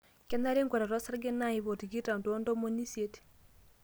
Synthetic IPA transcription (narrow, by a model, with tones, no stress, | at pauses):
kɛ˦na˦ɾe˦ŋɡɔ˨ɾa˨ɾɔ˦sa˦ɾɡe˦na˦˨i˨˦βo˨ti˨ɡi˦ta˨ndndo˦mo˦ni˦sje˦t